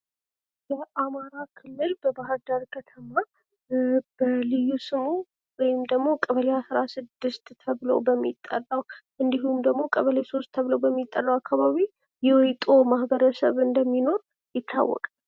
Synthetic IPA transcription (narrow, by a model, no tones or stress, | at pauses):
jɛʔamaɾakʰɨlːɨlbəbaɦɨɾd̪aɾkʰət̪ʰəma | b̥əlɨjusɨmu | wɔjɪmd̪əɡmo̞kʼəβəleasɾasɨd̪ːɨst̪t̪ʰəβlo̰bəmːit̪ʼːə̰lːawʔɨnd̪iɦumd̪əɡmo̞kʼəβəleso̞st̪ʰːəβlowbəmːit̪ʼːəlːawakʰːaβaβi | jɛwɔjt̪ʼomahbəɾəsəβɨnd̪əmːino̞ɾ | jɪt̪ʰːa̰wːɔ̰kʼal